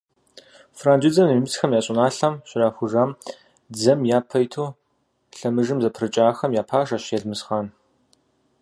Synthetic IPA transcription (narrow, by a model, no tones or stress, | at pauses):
fraːnd͡ʒɪd͡zɐmimɨt͡sxɐmjaːɕʼɪnaːɬɐmɕɪraːxʷʊʒaːm | d͡zɐmjaːpʰɐjtʰuː | ɬɐmɨʐɨmzɐpʰrɨt͡ʃʼaːxɐmjaːpʰaːʃɐɕjɛɮmɨsχaːn